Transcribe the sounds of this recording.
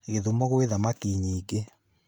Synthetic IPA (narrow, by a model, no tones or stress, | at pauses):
ɣeðumɔɣweðamakiɲiːɡe